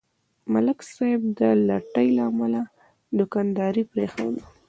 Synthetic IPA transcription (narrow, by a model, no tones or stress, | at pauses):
malɪksɑjɪb̚d̪əlaʈəjlaːmala | d̪ʊkɑnd̪ɑɾipɾexa̰wd̪ə